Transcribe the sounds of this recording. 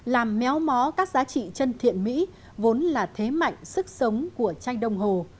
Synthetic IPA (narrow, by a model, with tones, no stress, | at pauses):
laː˨˩mːɛ˨˦wmɔ˨˦kaː˦˥k̚zaː˨˦t͡ɕḭ˧˨t͡ɕə˧nt̪ʰḭ˧˨ənmḭ˧˥ | vo˨˦nlaː˨˩t̪ʰe˨˦ma̰˧˨jŋ̟sɨ˦˥k̚sə˨˦wŋ͡mku˧˩ət͡ɕa˧jŋ̟ɗə˧wŋ͡mɦo˨˩